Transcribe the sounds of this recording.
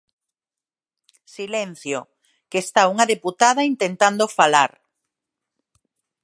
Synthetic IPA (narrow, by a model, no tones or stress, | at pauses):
silen̟θjo | kest̪auŋaðeput̪að̞aint̪ent̪and̪ofalaɾ